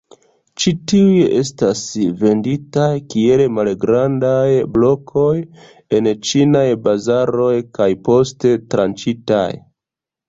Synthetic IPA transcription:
t͡ʃitiujeʔe̞stasve̞nditajkie̞lmalɡɾandajblo̞kʰo̞j | e̞nt͡ʃinajbazaɾo̞jkajpo̞ste̞tɾant͡ʃita̰j

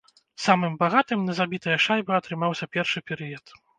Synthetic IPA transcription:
samɨmbaɣat̪ɨmnɐzabʲit̪ɐjɐʂajbɨɐt̪ɾɨmawsʲɐpʲɛrʂɨpʲɛɾɨjɐt̪

